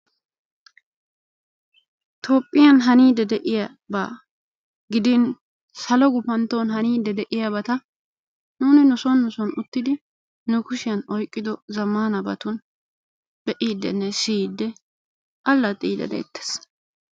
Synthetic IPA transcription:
t̪ʰo̞ːpʼːɪjɐnɦɐniːd̪ɛd̪ɛʔɪjɐ | ba̰ | ɡɪd̪ɪn | sɐlɔɡʊpɐnt̪onhɐniːd̪ːɛd̪ɛʔɪjabɐt̪ɐ | nuːnɪnʊsɔnːʊsɔnʊt̪ːɪd̪ɪ | nʊkʊʃɪjɐnɔjkʼːɪd̪ɔzɐmːaːnɐbɐt̪ʊn | b̥ɛʔiːd̪ːɛ̰nːɛsiːd̪ːɛ | ʔɐlːɐt̪ʼiːd̪ɐ̰d̪ɛ̰ːt̪ːɛ̥s

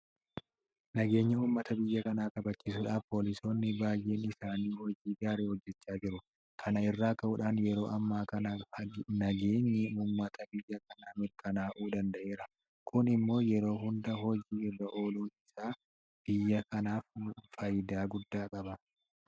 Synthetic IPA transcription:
nɐɡe̞ːɲːɐuːmːɐt̪ɐbɪjːɐkɐnaːkʼɐbɐt͡ʃːiːs̬ʊᶑaːfpo̞ːlɪso̞ːnːɪbaːjʔe̞ːnɪsaːniːhɔd͡ʒiːɡaːɾeːhɔd͡ʒːɛt͡ʃːaːd͡ʒɪɾʊ | kʰɐnɐɪrːaːkːɐʔʊːᶑaːnjɛɾo̞ːʔɐmːaːkɐnɐnɐɡe̞ːɲːɪuːmːɐt̪ɐbɪjːɐkɐnaːmɪɾkɐnaːʔuːd̪ɐnd̪ɐʔe̞ːɾɐ | kʰʊnɪmːo̞ːjɛɾo̞ːɦʊnd̪ɐɦɔd͡ʒiːɪrːɐʔo̞ːluːnɪsaː | b̥ɪjːɐkɐnaːffɐjɪd̪aːɡʊd̪ːaːkʼɐbɐ

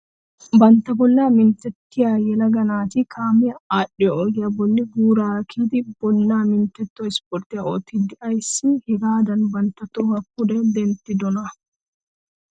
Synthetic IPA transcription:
bɐnt̪ːɐbɔlːaːmɪnt̪ːɛt̪ːɪjaːjɛlɐɡɐnaːt̪ɪkʰaːmɪɐaːɗɪjɔɔɡɪjabɔnːɪɡuːɾaːkʰiːd̪ɪbɔnːaːmɪnt̪ːɛt̪ːɔɪspɔɾt̪ːɪjao̰ːt̪ːɪd̪ɪʔɐjsːɪhɪɡaːd̪ɐnbɐnt̪ːɐt̪ːɔhɐkːʊd̪ɛd̪ɛnt̪ːɪd̪ɔnɐ

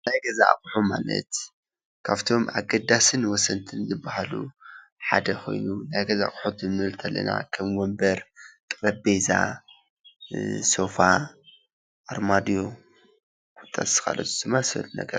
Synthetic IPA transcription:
najɡɐza̰kʼħuma̰lɐ̰t̪ | kʰaβt̪ʰo̞ma̰ɡɐd̪asɨnwɔsɐnt̪ʰɨnzɨbːahalṵ | ħad̪ɐxʰo̞̰jnunajɡɐza̰χʼħot̪ɨmɨlt̪ʰɐlːɐ̰na̰kʰɐmwɔmbɐɾt̪ʼɨɾɐbeza̰ | so̞fa | ʔaɾmad̪ijo̞ | kʰt̪ʼa̰ɨ̥kʰa̰lɐ̰t̪ʰuz̥ɨmːasɨɐ̰lunɐ̰ɡɐɾ

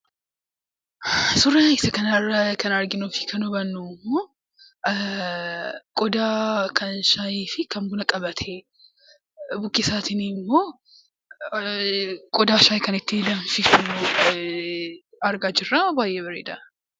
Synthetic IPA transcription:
sʊrːɐɪsɐkɐnɐrɐkɐnɐɾɡɪnuːfɪ̥kʰɐnʊbɐnːumːoː | kʼɔd̪aːkʰɐnʃajiːfɪkɐmbʊnɐkʼɐbɐt̪ʰɛ | bʊkʼːɪsaːt̪ɪnimːoː | kʼɔd̪aːʃaːjkɐnɪt̪ːɪlɐɱfɪfʊ | ɐɾɡaːd͡ʒɪrːaːbaːjʔeːbɐɾḛːd̪ɐ

